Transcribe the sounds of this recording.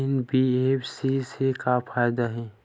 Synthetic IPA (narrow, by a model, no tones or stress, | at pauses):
ɪnbieːfsisekafʰaːjd̪aɦɛ̃ː